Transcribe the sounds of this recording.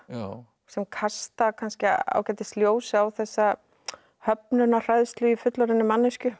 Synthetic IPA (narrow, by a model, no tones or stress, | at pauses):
sɛmkʰast̪akʰanscɪa̰wcɛːt̪ɪ̥st̪ljoːwsɪawθɛsːa | hœp̚nʏnar̥ajðst̪lʏifʏt̪laɾɪnːʏmanːɪscʏ